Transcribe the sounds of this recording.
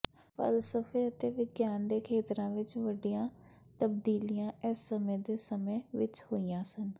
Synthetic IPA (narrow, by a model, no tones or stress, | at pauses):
fə̰lsəfeɐt̪eʋɪɡjaːnd̪ekʰeːt̪ɾãʋɪt͡ʃʋəɖijã | t̪əb̚d̪iːlijãːɛsːəməjd̪esəməjʋɪt͡ʃhoːijãːsən